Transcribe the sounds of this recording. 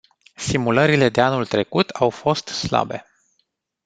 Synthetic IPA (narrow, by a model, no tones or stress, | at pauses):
simuləɾile̞d̪e̞anult̪ɾe̞kut̪ʰawfo̞st̪sla̰be̞̰